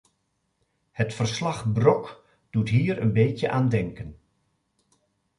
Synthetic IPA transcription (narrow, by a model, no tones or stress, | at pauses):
hətfərslɑχbrɔk | d̥utɦiːɾənbejtjəʔaːndɛŋkən